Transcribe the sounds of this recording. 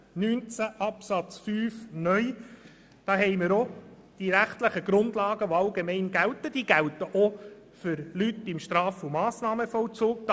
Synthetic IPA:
nyːnt͡sæʔɑpsɑt͡sfyːfnœj | d̥ɑːɦɛɪməɾo | d̥iɾæχt̪ləχəɡ̥ɾʊndlɑːɡəʋoɑlɡemɛɪnɡælt̪əd̥iːɡ̥æwt̪əʔo | fʏɾlytɪmʃt̪ɾɑːfumɑːsnɑːməfɔlt͡suːk̚d̪

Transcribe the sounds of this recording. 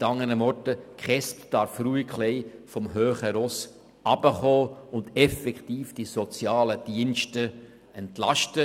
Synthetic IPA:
tɑŋːəɾəmɔɾtəkχɛstd̥ɑɾfɾuikχlɛɪfɔmɦøːχəɾɔs | ɑb̥əχɔːʊndɛfɛktiːfd̥isɔt͡sjɑːləd̥iənʃtə | ɛntlɑʃtə

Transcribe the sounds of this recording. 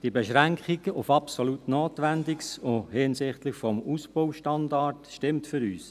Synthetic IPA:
d̥ibɛʃɾæŋkχiɡ̥əʔʊfɑpsoɔlutnoːtʋændɪksʊhɪnsɪχtləχfɔmusb̥owʃtɑndɑrtʃtɪmtfʏɾyːs

